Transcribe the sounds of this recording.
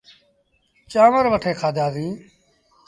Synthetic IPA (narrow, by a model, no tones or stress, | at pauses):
t͡ʃaːʋəɾʋəʈʰeːkʰaːd̪aːzĩː